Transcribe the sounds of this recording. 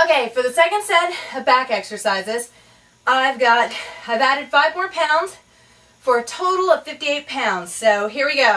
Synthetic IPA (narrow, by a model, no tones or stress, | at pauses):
oʊkeɪfə˞ðɨsɛkɨ̃nd̥sɛ̃ɾɨbækɛksə˞saɪzɪz | aɪvɡɑɾ̚aɪvæɾɨd̥faɪvmɔɹpʰãʊ̃ndz̥ | fə˞ɨtʰoʊɾl̩ˠʌv̥fɪftieɪt̚pʰãʊ̃ndz̥soʊɦiɹwiɡoʊ